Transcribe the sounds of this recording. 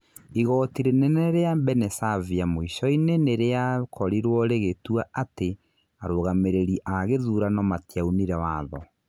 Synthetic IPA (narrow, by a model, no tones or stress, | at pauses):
iɣɔtiɾenɛnɛɾeambɛnɛsaviamoiʃɔineneɾeakʰɔɾiɾwɔɾeɣetuaate | aɾoɣameɾeɾiʔaɣeðuɾanɔmatjauniɾɛwaðɔ̰